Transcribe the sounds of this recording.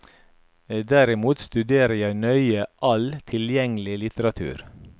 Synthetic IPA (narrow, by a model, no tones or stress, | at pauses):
d̪æɾɪmuːt̪st̪ʉd̪eːɾəjæɪnœʏəʔɑlt̪ʰɪljɛŋlɪlɪt̪əɾɑt̪ʰʉ̰ːɾ